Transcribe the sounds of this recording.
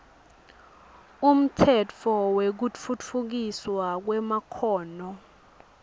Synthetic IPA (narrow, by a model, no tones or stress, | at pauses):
um̩tʰɛt͡fʰɔwek̬ufut͡fʰuk̬iswak̬wɛmakʰɔːnɔ